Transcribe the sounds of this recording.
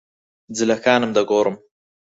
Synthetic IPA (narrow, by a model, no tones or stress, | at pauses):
d͡zɪlakaːnəmd̪aɡoːɾəm